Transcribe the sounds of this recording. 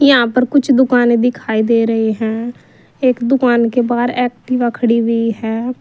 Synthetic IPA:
jəɦãːpəɾkʊt͡ʃʰd̪ʊkaːned̪ɪkʰaːiːd̪eːɾəɦeɦɛ̃ː | eːkd̪ʊkaːnkeːbaːɾɛːkʈiʋakʰəɽiːʋiːɦɛː

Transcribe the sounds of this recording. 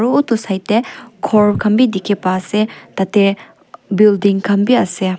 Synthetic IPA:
ɾuotusajtːekʰɔɾkʰɐmbidikʰipaset̪ate | bildiŋkʰɐmbiɐse

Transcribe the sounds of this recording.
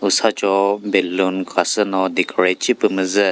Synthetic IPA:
usat͡ʃɔbelːunkʰasənɔd̪ikʰɽet͡ʃipɨməzə

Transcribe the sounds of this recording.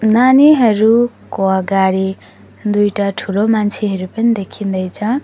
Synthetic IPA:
naniɦʌɾu | koʌɡaɽi | d̪ujʈaʈʰulomant͡sʰeɦʌɾupʌnid̪ekʰind̪ʌjt͡sʰʌ

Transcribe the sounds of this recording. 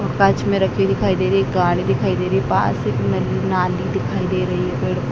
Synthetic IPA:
ɔːɾkɐt͡ʃmẽɾɐkʰed̪ɪkʰaːid̪eːɾɐiɡaːɽ̃id̪ɪkʰaːid̪eːɾɐipa̰ːsenɐlinaːlid̪ɪkʰaːid̪eːɾɐɦiɦɛbeːɽ

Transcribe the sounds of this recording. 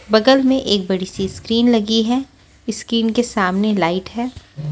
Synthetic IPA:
bɐɡəlmẽʔeːk̚bɐɽisiskɾiːnlɐɡiɦɛː | ɪskɾiːnkesaːmnelaːɪʈɦɛː

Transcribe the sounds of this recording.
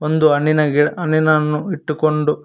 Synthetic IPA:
ond̪uɐnːinɐɡiɐnːinɐnːuiʈːukoɳɖu

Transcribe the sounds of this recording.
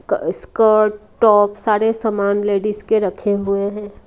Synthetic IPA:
kskəɾʈɔːpsaːɾesɐmaːnleːɖiskeɾɐkʰeɦʊeɦɛ̃ː

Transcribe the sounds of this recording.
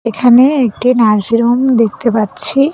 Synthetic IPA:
ekʰaneek̚ʈinaɾsiɾomd̪ekʰt̪epatːɕʰi

